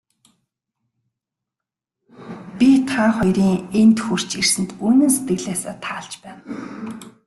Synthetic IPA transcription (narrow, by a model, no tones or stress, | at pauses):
pʲit̪ʰaχɔjɾiːŋent̪xur̥t͡ɕirsɘ̆nt̪uːnɘ̆nset̪ɡɘ̆ɮaːsa̰ːt̪ʰaːɮt͡ɕpæːn